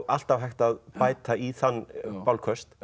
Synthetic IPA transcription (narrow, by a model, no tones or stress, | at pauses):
al̥t̪avɦajxt̪aðpaːjt̪aiθanːpawlkʰœst̪